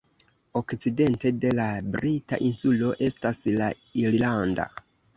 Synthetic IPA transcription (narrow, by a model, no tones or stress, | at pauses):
o̞kt͡side̞nte̞de̞labɾita̰ʔinsulo̞ʔe̞stasla | iɾlanda̰